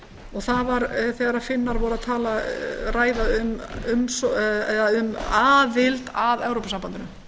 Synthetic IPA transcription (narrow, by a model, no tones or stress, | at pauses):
ɔɣθaðvaɾθɛɣaɾafɪnːaɾvɔɾaðt̪ʰaːlaraːjðaʏmʏmsɛðaʏmaːðɪlt̪aðɛwɾowpasampant̪ɪnʏ